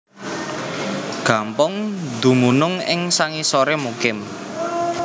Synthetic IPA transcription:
ɡ̥ampʊŋd̪ṳmunʊŋɪ̰ŋsaŋisoɾemukɪm

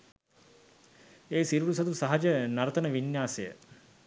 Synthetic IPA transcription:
eːsiɾuɾus̬ɐt̪usaɦɐd͡ʒənɐɾət̪ənəʋinjaːsejə

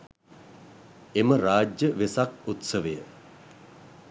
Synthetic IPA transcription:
eməɾaːd͡ʒjəʋesakut̪səʋejə

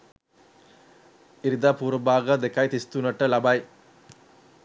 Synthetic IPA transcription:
ɪɾɯd̪aːpuːɾɐbaːɣɐd̪ɛkːɐjt̪ɪst̪unɐʈːɐlɐbaj

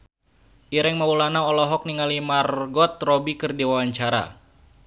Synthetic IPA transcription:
ʔiɾɛŋmaulanaɔlɔɦɔk̚niŋalimarɡɔt̪̚robikɨrdiwawaɲt͡ʃaɾa̰

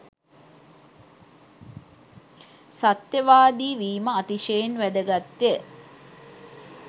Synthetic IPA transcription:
sat̪jəʋaːd̪iːʋiːməat̪iʃejenʋæd̪əɡat̪ːjə

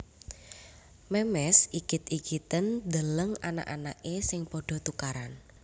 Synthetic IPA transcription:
mɛmɛsikɪt̪̚ikit̪ənd̪ələŋana̰ʔanaʔesɪŋpɔɖ̥ɔ̤t̪ukaɾan

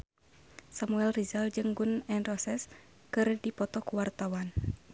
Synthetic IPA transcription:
samuɛlrizald͡ʒɨŋɡunɛnrɔsɛs | kɨrdipɔt̪ɔkuwart̪awan

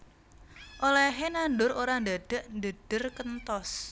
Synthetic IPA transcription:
ʔolɛɦenanɖʊɾoɾand̪aɖ̪̥ə̤ʔnd̪əd̪̥ə̤rkənt̪ɔs

